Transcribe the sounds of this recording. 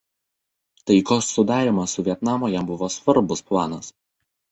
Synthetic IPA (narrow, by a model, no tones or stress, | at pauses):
t̪ɐɪkoːsːʊd̪ɑːɾʲimɐsʊʋʲiɛt̪nɑːmoːjɛmbʊʋoːsʋɐɾbʊsplˠɑːnɐs